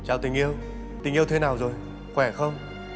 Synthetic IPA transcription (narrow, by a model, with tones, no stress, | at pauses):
t͡ɕaː˧˩wt̪ï˨˩ŋ̟ʔi˧əw | t̪ï˨˩ŋʔi˧əwt̪ʰe˨˦naː˨˩wzo˨˩j | xwɛ˧˩xə˧wŋ͡m